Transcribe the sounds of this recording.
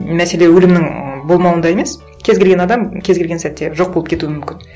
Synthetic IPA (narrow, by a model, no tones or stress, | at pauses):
mæse̞le̞wɵlɪmnɪŋbo̞lˠmɑwənd̪ɑje̞me̞s | kʲʰe̞zɡʲeɡʲe̞nɑd̪ɑmkʲʰe̞zɡʲe̞lɡʲensæt̪ːe̞ʒo̞q̚bolˠəpkʰʲe̞t̪uwɪmʏmkʲɪn